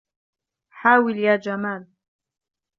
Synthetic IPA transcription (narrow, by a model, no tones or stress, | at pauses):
ħaːwɪljaːd͡ʒamaːl